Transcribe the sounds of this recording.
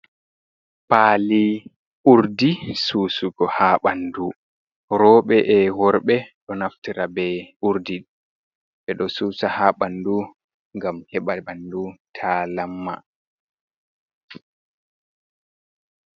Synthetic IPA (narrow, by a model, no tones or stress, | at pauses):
paːli | ʔuɾdisuːsuɡɔhaɓandu | ɾɔːɓɛʔɛwɔɾɓɛɗɔnaftiɾabɛʔuɾdi | ɓɛɗɔsuːsahaɓandu | ŋɡamhɛɓaɓandutʰalamːa̰